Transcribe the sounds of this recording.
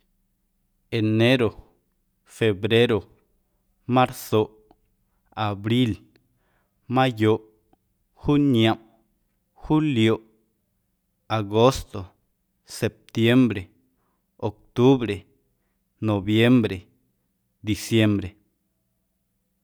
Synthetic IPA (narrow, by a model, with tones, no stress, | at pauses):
e˨ne˦ɾo˨ | fe˨bɾe˦ɾo˨ | mã˦ɾso˨ʔ | a˨bɾi˦l | mã˦jo˨ʔ | xu˦ɲjã˨m | xu˦ljo˨ʔ | a˨ɡo˦st̪o˨ | se˨p̚t̪je˦mbɾe˨ | o˨k̚t̪u˦βɾe˨ | no˨bje˦mbɾe˨ | d̪i˨sje˦mbɾe˨